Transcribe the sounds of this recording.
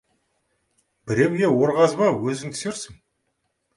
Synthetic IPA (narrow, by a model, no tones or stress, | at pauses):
bɪɾe̞mɡʲe̞wo̞ɾʁɑzbɑwɵzɪŋt̪ʰʏ̥seɾsɪŋ